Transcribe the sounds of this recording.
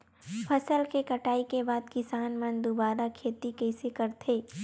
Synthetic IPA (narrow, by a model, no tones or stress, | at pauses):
pʰɐsəlkekɐʈaːikebaːd̪kɪsaːnmɐnd̪obaːɾakʰeːt̪ikɛːsekɐɾt̪ʰeː